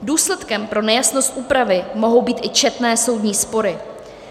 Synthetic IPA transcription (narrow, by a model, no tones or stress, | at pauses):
duːslɛt̪kɛmpɾo̞nɛjasnost̪̚ʔuːpɾavɪmo̞ɦo̞wbiːt̪ʔɪt͡ʃɛt̪nɛːso̞wdɲiːspo̞ɾɪ